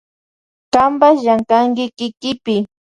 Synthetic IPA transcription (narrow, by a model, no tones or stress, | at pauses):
kambasʒaŋkaŋkɪkɪkɪpɪ